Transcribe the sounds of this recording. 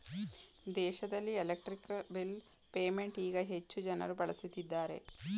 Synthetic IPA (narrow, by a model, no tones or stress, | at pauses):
d̪eːʃɐd̪ɐlːielek̚ʈɾikːbil | peːmeɳʈiːɡɐɦet͡ʃːud͡ʒɐnɐ̰ɾubɐɭɐsit̪ːid̪ːaːɾe̞̰